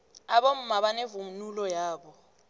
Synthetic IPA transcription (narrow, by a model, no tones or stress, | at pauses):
aɓom̩maɓanevumnulɔjaːɓɔ